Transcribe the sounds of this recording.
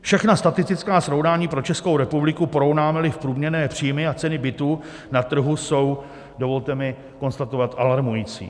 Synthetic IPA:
fʃɛxnast̪at̪ɪst̪ɪt͡skaːsɾo̞wnaːɲiːpɾo̞t͡ʃɛskowɾɛpublɪkupoɾo̞wnaːmɛlɪfpɾuːmɲɛɾnɛːpr̝̥iːjmɪat͡sɛnɪbɪt̪uː | nat̪r̩ɦuso̞w | do̞vo̞lt̪ɛmɪ | ko̞nst̪at̪o̞vat̪ʔalaɾmujiːt͡sḭː

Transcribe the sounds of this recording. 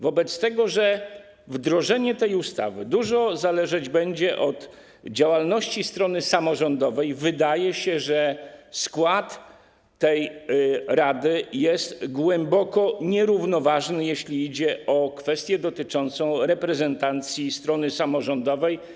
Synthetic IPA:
vɔbɛt̪st̪ɛɡɔʐɛ | vd̪ɾɔʐɛɲɛt̪ɛjust̪a̰vɘd̪uʐɔzalɛʐɛd͡ʑbɛɲd͡ʑɛʔɔt̪ | d͡ʑawalnɔɕt͡ɕist̪ɾɔnɘsamɔʐɔnd̪ɔvɛjvɘd̪ajɛɕɛʐɛskwat̪ː | ɛj | ɾad̪ɘjɛst̪ɡwɛmbɔkɔɲɛɾuvnɔvaʐnɘjeɕlʲiid͡ʑɛɔkfɛst̪ʲjɛd̪ɔt̪ɘt͡ʂɔnt̪sɔ̃w̃ɾɛpɾɛzɛnt̪ant̪sʲjist̪ɾɔnɘsamɔʐɔnd̪ɔvɛj

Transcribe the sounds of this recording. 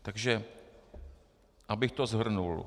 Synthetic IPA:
t̪aɡʒɛ | ʔabɪxt̪ozɦr̩nul

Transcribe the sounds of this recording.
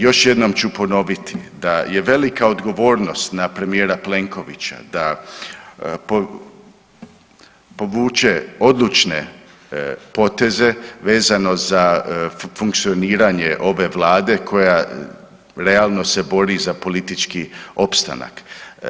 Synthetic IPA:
jo̞ʃje̞d̪no̞mt͡ɕupo̞no̞ʋit̪id̪aje̞ʋe̞likao̞d̪ɡo̞ʋo̞ːɾno̞st̪napɾe̞mije̞ːɾaple̞ŋko̞ʋit͡ɕa̰d̪a | po | po̞ʋuːt͡ʃeo̞d̪lˠut͡ʃne̞ | po̞t̪e̞ze̞ʋe̞ːzano̞za | fuŋk̚t̪sio̞niːɾaɲe̞ʔo̞ʋe̞ʋlaːd̪e̞kʰo̞ja | ɾe̞alˠno̞se̞bo̞ɾizapo̞lit̪it͡ʃkio̞pst̪a̰na̰k

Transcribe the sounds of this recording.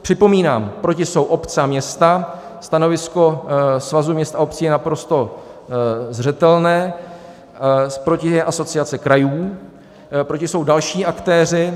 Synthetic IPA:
pr̝̥ɪpo̞miːnaːmpɾocɪsowʔo̞pt͡sɛamɲɛst̪a | st̪ano̞vɪsko̞svazumɲɛst̪aop̚t͡siːjɛnapɾo̞st̪o̞ | zr̝ɛt̪ɛlnɛː | spɾo̞cɪɛʔaso̞t͡sɪat͡sɪkɾajuː | pɾo̞cɪso̞wdalʃiːʔakt̪ɛːrɪ

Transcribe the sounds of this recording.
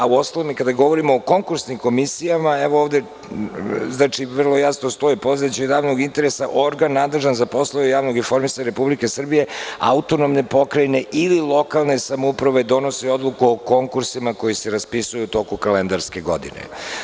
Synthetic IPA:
auo̞st̪alomikad̪aɡo̞ʋo̞ɾimoːko̞ŋkuɾsnimko̞misijamaɛʋooːʋd̪e | znaːt͡ʃiʋr̩lˠo̞jasnost̪o̞ipo̞zet͡ɕed̪aːʋno̞ɡint̪e̞ɾesaʔo̞ɾɡanːad̪leʒanzapo̞slˠaujaːʋno̞ɡifo̞ɾmisaɲeɾepublike̞sr̩bije̞a̰ut̪o̞nomne̞po̞kɾajne̞ʔililˠo̞kalˠne̞samoupɾaʋe̞d̪o̞no̞sio̞d̪lˠukuoko̞ŋkuɾsimako̞jiseɾaspisujuut̪o̞kukalend̪aɾske̞ɡo̞̰d̪ḭnḛ

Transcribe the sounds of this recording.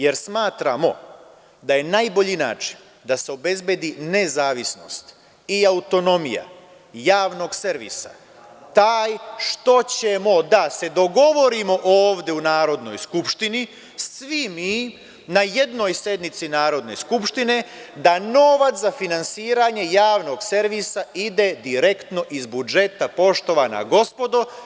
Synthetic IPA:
je̞ɾsmaːt̪ɾa̰mo̞̰ | d̪aje̞naːjbo̞ʎina̰ːt͡ʃi̥n | d̪aseobe̞zbed̪ine̞zaːʋisno̞̰st̪ | iaut̪o̞no̞mḭja̰ | jaːʋno̞ɡseɾʋḭsa̰ | t̪aːjʃt̪o̞t͡ɕe̞mo̞d̪ase̞d̪o̞ɡo̞ʋo̞ɾimo̞ʔoːʋd̪jeunaːɾo̞d̪no̞̰jskupʃt̪ini | sʋimiː | naje̞d̪no̞jsje̞d̪nit̪sinaːɾo̞d̪ne̞̰skupʃt̪ine̞d̪ano̞ʋat̪szafinansiːɾaɲe̞jaːʋno̞ɡse̞ɾʋisaid̪e̞d̪iɾe̞kt̪no̞ʔizbud͡ʒe̞t̪apo̞ʃt̪o̞ʋana̰ɡo̞spo̞d̪o

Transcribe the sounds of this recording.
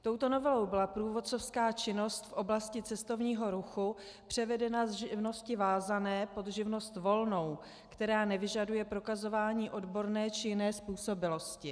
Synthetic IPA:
t̪o̞wt̪o̞novɛlo̞wbɪlapɾuːvo̞t̪̚t͡so̞fskaːt͡ʃɪno̞st̪fʔo̞blascɪt͡sɛst̪o̞vɲiːɦo̞ɾuxu | pr̝̥ɛvɛdɛnazʒɪvno̞scɪvaːzanɛːpo̞d̪ʒɪvno̞st̪vo̞lno̞w | kt̪ɛɾaːnɛvɪʒadujɛpɾo̞kazo̞vaːɲiːʔo̞dbo̞ɾnɛːt͡ʃɪjɪnɛːspuːso̞bɪlo̞scɪ

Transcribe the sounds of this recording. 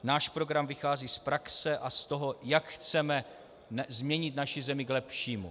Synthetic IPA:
naːʃpɾo̞ɡɾamvɪxaːziːspɾaksɛʔast̪o̞ɦo̞jakxt͡sɛmɛ | zmɲɛɲɪt̪naʃɪzɛmɪɡlɛpʃiːmṵ

